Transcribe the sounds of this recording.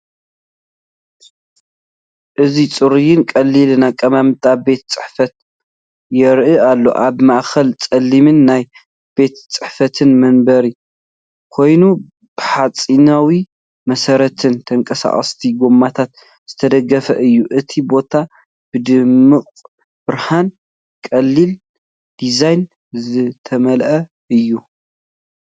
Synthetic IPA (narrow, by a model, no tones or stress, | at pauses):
ʔɨzit͡sʼɨɾijɪnkʼɐlːilnakʼɐmamt̪ʼabe̞t̪t͡sʼɨħfɐt̪̚ | jɛɾʔɨalːo̞̰ʔaβmaʔxɐlt͡sʼɐlːimɨnːaj | b̥e̞t̪t͡sʼɨħfɐt̪ʰɨnmɐnbɐɾi | kʰo̞jnu | b̥ɨħat͡sʼinawi | mɐsɐɾɐt̪ʰɨnt̪ʰɐŋkʼɐsa̰χʼɐ̰st̪ʰiɡomat̪ʰat̪ | z̥ɨt̪ʰɐd̪ɐɡːɐfɐʔɨjːuʔɨt̪ʰibo̞t̪ʰa | b̥ɨd̪ɨmːɨχʼ | b̥ɨɾhan | kʼɐlːil | d̪̥izajn | zɨt̪ʰɐmɐlʔɐ | ɨjːu